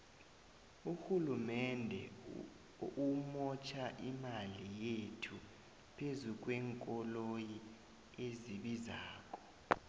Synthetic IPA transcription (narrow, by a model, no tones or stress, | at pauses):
uhulumɛndʱɛ̰ | umɔt͡ʃʰaʔimalijetʰu | pʰezuk̬ʼwɛŋkʼɔloji | eziɓizaːk̬ʼɔ̥